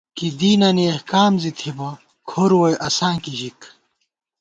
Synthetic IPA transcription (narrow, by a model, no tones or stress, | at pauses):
kid̪iːnɐniɐhkaːmzit̪ʰibɐ | kʰoɾwojʔɐsãːkiɕik